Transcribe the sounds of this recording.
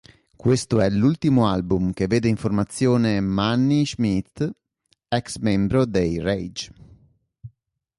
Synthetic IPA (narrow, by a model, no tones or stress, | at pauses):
kwest̪oɛlult̪imoalbumk̟evːeːd̪eiɱformat̪sːjoːnemanːiʒmit̪ | ɛksmembɾod̪ejrejd͡ʒ